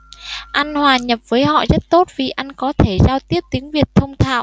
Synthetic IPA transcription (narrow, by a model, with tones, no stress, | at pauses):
ʔa˧jŋ̟hwaː˨˩ɲə˨˩p̚vəː˨˦jɦɔ̰˧˨zə˦˥t̚t̪o˦˥t̚vi˨˩ʔa˧jŋ̟kɔ˨˦t̪ʰe˧˩zaː˧wt̪i˦˥əp̚t̪i˨˦əŋvi˨˩ət̚t̪ʰə˧wŋ͡mt̪ʰa̰ː˧˨w